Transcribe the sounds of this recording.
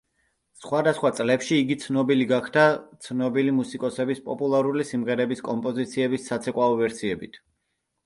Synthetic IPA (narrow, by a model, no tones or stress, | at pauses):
sχwad̪asχwat̪sʼlɛpʃiːɡit̪sʰnɔbiliɡakʰt̪at̪sʰnɔbilimusikʼɔsɛbispʼɔpʼulˠaɾulisimʁɛɾɛbiskʼɔmpʼɔzit̪sʰiɛbisːat̪sʰɛkʼwaɔvɛɾsiɛbit̪ʰ